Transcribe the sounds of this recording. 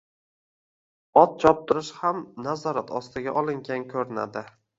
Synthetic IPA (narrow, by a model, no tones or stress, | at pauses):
ɒt̪̚t͡ʃʰɒp̚t̪ʰɪɾɪʃhamnazɒɾat̪ʰɒst̪ɪɡʲaʔɒlˠɪŋɡʲankʲʰɵɾɪna̰d̪ɪ